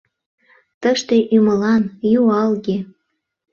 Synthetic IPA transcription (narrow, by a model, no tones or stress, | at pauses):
t̪əʃt̪eʔyməlɑnjuɑlɣe